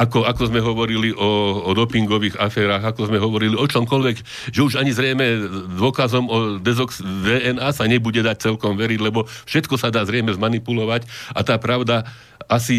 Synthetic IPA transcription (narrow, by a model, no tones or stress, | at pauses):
akɔakɔzmɛɦɔʋɔɾiliʔɔd̪ɔpiŋɡɔʋiːɣafɛːɾaːɣakɔzmɛɦɔʋɔɾiliɔt͡ʃɔmkɔlʋɛɡ | ʒɛuʒaɲizɾɛjmɛd̪ʊɔkazɔmɔd̪ɛzɔksd̪ɛːɛnaːsaɲɛbuɟɛd̪ac̚t͡sɛlkɔmʋɛɾiɟlɛbɔfʃɛt̪kɔsad̪aːzɾɛjmɛzmanipulɔʋacat̪aːpɾaʊd̪a | asi